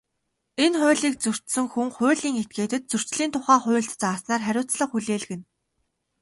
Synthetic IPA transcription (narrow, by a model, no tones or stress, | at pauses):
enχʊːɮiːk̚t͡sɵr̥t̪sɘ̆ŋxuŋχʊ̟ːɮiːŋet̪̚ɡeːt̪ɘ̆t̪̚t͡sɵr̥t͡ɕɮiːnt̪ʰʊχaːχʊ̟ːɬt̪t͡saːsnaːrχæɾʲʊːt͡sɮə̆χuɮeːɮɣɘ̆n